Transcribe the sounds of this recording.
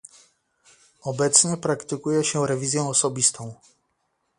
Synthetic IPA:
ɔbɛt̪sɲɛpɾakt̪ɘkujɛɕɛɾɛvʲizʲjɛ̃ɔsɔbʲist̪ʰɔ̃w̃

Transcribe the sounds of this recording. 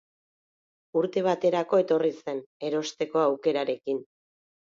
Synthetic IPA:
uɾt̪e̞β̞at̪e̞ɾako̞e̞t̪o̞rise̞ne̞ɾo̞st̪e̞ko̞awke̞ɾaɾe̞kin

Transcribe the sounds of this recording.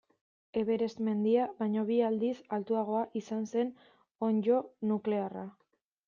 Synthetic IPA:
e̞βe̞ɾe̞zme̞nd̪iaβaɲo̞β̞iald̪isalt̪uaɣ̞o̞aʔisanse̞n | o̞ɲd͡ʒo̞nukle̞ara

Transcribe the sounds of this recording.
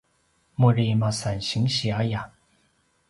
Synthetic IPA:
muɹimasanɕiŋɕiaja

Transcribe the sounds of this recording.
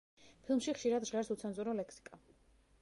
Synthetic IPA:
pʰilˠmʃiχʃiɾad̪ʒʁɛɾsut̪sʰanzuɾɔlɛkʰsi̥kʼa

